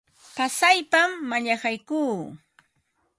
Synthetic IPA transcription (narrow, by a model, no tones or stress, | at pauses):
pasajpamːaʎahɑjkuː